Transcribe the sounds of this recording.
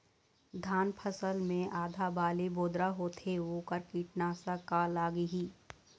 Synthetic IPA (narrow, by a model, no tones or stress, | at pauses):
d̪ʱaːnpʰəsəlmẽʔaːd̪ʱabaːliboːd̪ɾaɦoːt̪ʰeoːkəɾkiːʈnaːsakalaːɡɦiː